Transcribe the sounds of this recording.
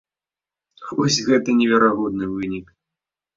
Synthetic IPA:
vɔsʲɣɛt̪ɐnʲɛvʲɛɾaɣɔd̪nɨvɨnʲik

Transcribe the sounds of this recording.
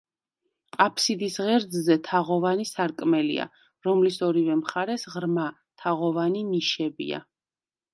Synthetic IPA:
qʼapʰsid̪isʁɛɾd̪zzɛt̪ʰaʁɔvanisaɾkʼmɛlḭa̰ | ɾɔmlisɔɾivɛmχaɾɛsʁɾma | t̪ʰaʁɔvaniniʃɛbḭa̰

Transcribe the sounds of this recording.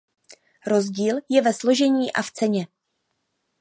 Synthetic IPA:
ɾo̞zɟiːljɛvɛslo̞ʒɛɲiːʔaft͡sɛɲɛ

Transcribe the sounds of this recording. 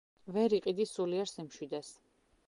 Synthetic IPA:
vɛɾiqʼid̪isuliɛɾsimʃwid̪ɛs

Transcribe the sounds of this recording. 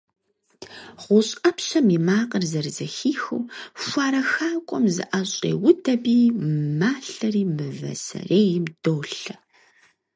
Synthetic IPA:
ʁʷʊɕʼɐpɕɐmimaːqərzɐrzɐxiːxɨ̰wfʷaːɾɐxaːkʷʼɔmzɨ̰ʔɐɕʼḛːwʊdʰɐbiːmaːɬɐriːmɨvɐ̰sɐ̰reːjɪmd̥oːɬɐ

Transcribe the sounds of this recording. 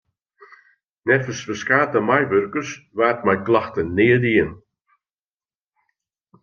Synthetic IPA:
nɛrfəsfəskaːtəmajvørkəsvaːt̚majklˠaxtənɪːədiən

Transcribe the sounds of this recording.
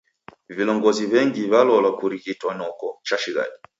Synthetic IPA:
vilɔŋɡɔziβɛŋɡiβalɔlakuɾikitwanɔkɔt͡ʃaʃiɣa̰ɗi

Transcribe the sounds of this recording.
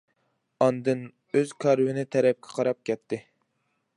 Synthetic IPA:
ɑnd̪ɨn | øzkʰɑɾwɪnɪt̪ʰɛɾɛp̚kʲʰɛ̥qʰɑɾɑp̚kʲʰɛt̪ʰːɪ

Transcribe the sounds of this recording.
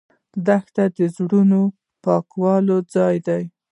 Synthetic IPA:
d̪axt̪ad̪əzɽuno | pɑkwɑlod͡zɑjd̪aj

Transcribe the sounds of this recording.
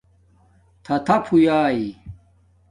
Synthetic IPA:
t̪ʰɐt̪ʰɐpʰujaːi

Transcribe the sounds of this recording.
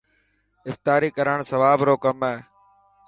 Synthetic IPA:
ɪft̪aːɾiːkəɾəɳ̃səʋaːbɾoːkəmeː

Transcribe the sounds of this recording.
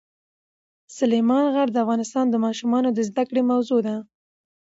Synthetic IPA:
sʊlejmɑnɣaɾd̪əafɣɑnɪst̪ɑnd̪əmɑʃumɑnod̪əzd̪akɽemawzod̪a

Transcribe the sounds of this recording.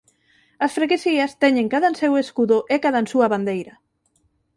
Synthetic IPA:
ɐsfɾakesiɐst̪ɛɲẽŋkaðanseweskuðʊʔekaðansuɐβand̪ejɾɐ

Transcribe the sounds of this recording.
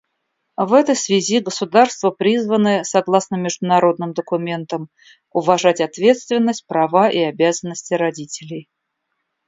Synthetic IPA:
vɛt̪əjsvʲɪzʲiɡəsʊd̪arst̪vəpɾʲizvənɨsɐɡlˠasnəmʲɪʐd̪ʊnɐɾo̞d̪nɨmd̪əkʊmʲe̞nt̪əm | ʊvɐʐatʲɐt̪vʲe̞t̪st̪vʲɪnːəsʲt̚ʲpɾɐvaʔiɐbʲazənːəsʲtʲɪɾɐdʲitʲɪlʲɪj

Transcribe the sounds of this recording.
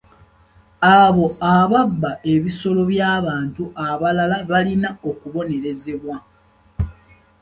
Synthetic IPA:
aβo̞aβabːaʔe̞βiso̞lo̞βjaːβaːntuʔaβalalaβalinao̞kuβo̞ne̞ɾe̞ze̞βwa

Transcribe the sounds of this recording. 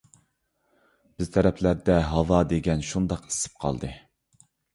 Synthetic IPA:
b̥ɪzt̪ʰɛɾɛpʰlæɾd̪ɛɦɑvɑd̪eɡʲɛnʃund̪ɑqi̥sɪ̥p̚qʰɑ̰lˠd̪ɨ

